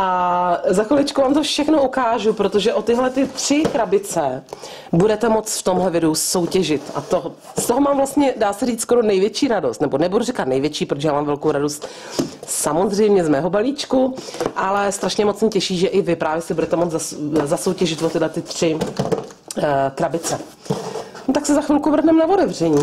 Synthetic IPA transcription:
ʔazaxolɪt͡ʃkuvaːmt̪ofʃɛxnoukaːʒupɾot̪o̞ʒɛʔot̪ɪɦlɛt̪ɪt̪r̥ɪkɾabɪt͡sɛ | budɛt̪ɛmot͡sft̪o̞mɦlɛvɪduso̞wcɛʒɪt̪ʔa̰t̪o | st̪oɦomaːmvlast̪ɲɛdaːsɛriːt͡s̪skoɾonɛjvjɛt͡ʃiːɾado̞st̪nɛbonɛbuduɾɪkat̪nɛjvjɛt͡ʃiːpɾot̪oʒɛjaːmaːmvɛlkowɾadost̪ | samo̞zr̝ɛjmɲɛzmɛːɦobaliːt͡ʃkuʔalɛst̪ɾaʃɲɛmot͡smɛcɛʃiːʒɛʔɪvɪpɾaːvjɛsɪbudɛt̪ɛmot͡szazaso̞wcɛʒɪt̪vot̪ɪɦlɛt̪ɪt̪r̝̥ɪ | kɾabɪt͡sɛ | t̪aksɛzaxvɪlkuvr̩ɦnɛmnavodɛvr̝ɛɲiː

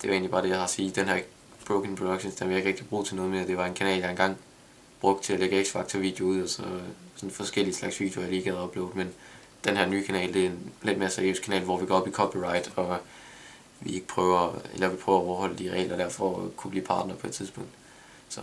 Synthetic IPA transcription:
d̥e̝ʋɑ̈e̝ːnlibɑ̈ːd̥e̝jɑhɑ̈siːd̥enɦhæɐ̰ | b̥ʁoʊkʰeŋpʰʁod̥oɡ̥ɕonsd̥enʋie̝ɡ̥ʁɛɡ̥d̥ib̥ʁṵːðˠt͡sʰe̝nɔ̽ːð̞̩ˠme̝ːɐd̥e̝ʋɑ̈e̝nkʰænɛ̰ːljɑ̈e̝nɡ̥ɑ̈ŋ̰ | b̥ʁɔ̽ɡ̥̚d̥t͡sʰe̝læleɡ̥əeɡ̥sfɑ̈ɡ̥̚t͡sʰɒʋḭːd̥ejo̝uð̰ˠɒsɒ̽sɒ̽nfɒ̽sɡ̥el̰iəslɑ̈ɡ̥sʋḭːdjojɑ̈liːɡ̥æð̩ˠɒ̽b̥lḛʊ̥men | d̥enhæɐ̰nyːkʰænɛ̰ːld̥e̝æenled̥̚me̝ːɐsæɐjø̰ːskʰænɛ̰ːlʋɒʋikʰɒb̥likʰɒ̽pʰiʁɑ̈ɪd̥ɒ̽ | ʋie̝ɡ̥ə̥pʰʁœːʊɐḛlɐʋipʰʁœʊɐɒʊɐhɒ̽l̰əd̥iʁɛ̰ːlʔɐd̥æɐ̰fɒkʰub̥liːpʰɑ̈ːd̥nɐpʰɒ̽e̝d̥̚t͡sʰiðˠsb̥ɔ̽ŋ̰d̥ | sɒ̽

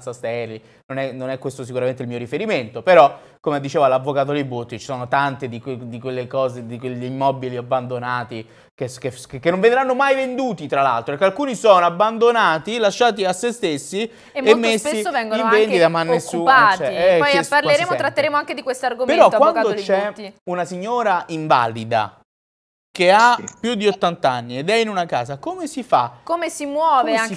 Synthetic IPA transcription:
nsast̪ɛrlːi | nonɛnonɛkːwest̪os̬ikuɾament̪̬eilmiːoɾifeɾiment̪opeɾɔ | komed̪it͡ʃeːvalavːokaːt̪od̪ebut̪ːit͡ʃi̥sɔːnot̪ant̪ed̪iked̪ikwelːekɔːzed̪ikweʎːiːmːɔːbiliabːand̪onaːt̪i | kekekekːenːoɱvend̪ɾanːomajvend̪uːt̪it̪ɾala̰lt̪ɾopeɾkealkuːnisoːnoabːand̪onaːt̪ilaʃːaːt̪̬iasːest̪esːi | emːesːisːovɛŋɡoiavend̪id̪amanːesːuːaɛiɛɔjspːaɾleɾɾeːmoɾat̪ːeɾeːmoaŋked̪ikwest̪oarɡompeɾɔk̪wanad̪ot͡ʃɛiunasiɲːoːɾaʔiɱva̰ːlid̪a̰ | keapːjud̪ːiot̪ːant̪anːied̪ɛinunaka̰ːzakomesifa̰komesimwɔːve

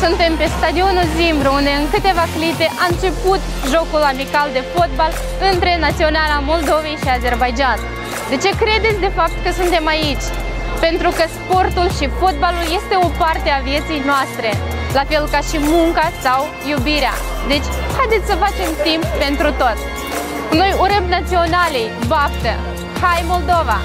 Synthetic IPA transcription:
sunt̪e̞mpe̞st̪ad̪io̞nuzimbɾuund̪e̞ɨŋkɨt̪e̞vaklit̪e̞ʔaɨnt͡ʃe̞put̪ | ʒo̞kulamikald̪e̞fo̞t̪̚bal | ɨnt̪ɾe̞nat̪sio̞nalamo̞ld̪o̞ve̞jʃiaze̞rbajd͡ʒan | d̪e̞t͡ʃe̞kɾe̞d̪e̞t̪sʲd̪e̞fap̚t̪kəsunt̪e̞mait͡ʃʲ | pe̞nt̪ɾukəspo̞rt̪ulʃifo̞t̪̚balulje̞st̪e̞o̞part̪e̞avije̞t̪sijnoast̪ɾe̞ | lafe̞lkaʃimuŋkasaw | jubiɾea̰ | d̪e̞t͡ʃʲ | hajd̪et̪sʲsəfat͡ʃe̞mt̪imppe̞nt̪ɾut̪o̞t̪ | no̞juɾəmnat̪sio̞nalejbapt̪ə̰ | hajmo̞ld̪o̞va

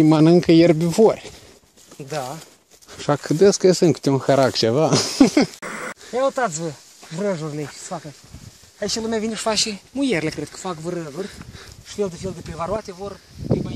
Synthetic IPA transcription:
imanɨŋkəjerbʲivorʲ | d̪a | ʃakʰɨd̪əskəesɨŋkɨ̥t̪ʲeunxəɾakt͡ʃeva | eaut̪at̪sʲvə | vɾəʒurʲleʃsə̥fakə | ait͡ʃelumʲavineʃfaʃimujerʲlʲekɾed̪̚kə̥fakvɾəʒurʲʃfeld̪efeld̪epɾevaɾuat̪evor

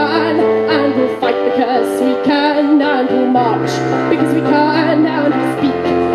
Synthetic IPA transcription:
ə̃n | ə̃nwɪlˠfaɪt̪̚ðɨkʰɜ˞swikʰənːaʊə̃ntɪlˠmɑɹt͡ʃ | b̥ɨkʰʌzwikʰəə̃nːaʊə̃ntɨspik

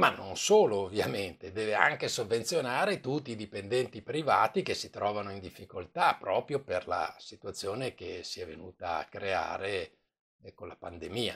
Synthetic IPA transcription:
manːonsoːloːvːja̰ment̪ed̪ɛːvea̰ŋkesovːent̪sjonaːɾet̪ut̪ːiːd̪ipend̪ɛnt̪ipɾiva̰ːt̪ik̟esit̪ɾɔːvanoind̪ifːikolt̪apɾɔːpɾjoperla̰sit̪wat̪sːjoːnek̟esiɛvenuːt̪aa̰kːɾea̰ːɾe | konlapand̪emiːa̰

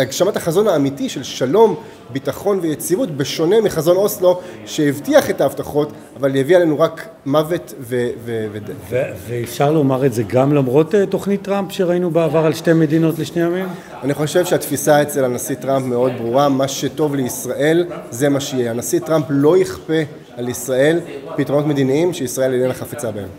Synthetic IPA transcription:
aɡʃamataχazo̞naːmitiʃe̞lʃalo̞m | bitaχo̞nvejet͡sivutbeʃo̞ne̞miχazo̞no̞slo̞ʃe̞jivtiaχe̞taːvtaχo̞t | avaljeviale̞nuʁak | mave̞tvevevedeveveːfʃaʁlomaʁezeɡamlamʁo̞tetoχnitːʁampʃeʁainubeavaʁalʃtemedino̞tleʃnejamim | aniχo̞ʃevʃeat̪fisaet͡slelanasit̪ʁampme̞o̞d̪̚bʁuʁamaʃe̞to̞vleisʁaʔe̞lze̞maʃejehanasit̪ʁamplo̞jiχpe̞ | alisʁae̞lpitʁono̞t̪me̞d̪iniimʃeisʁae̞lenenaχafet͡sabaem

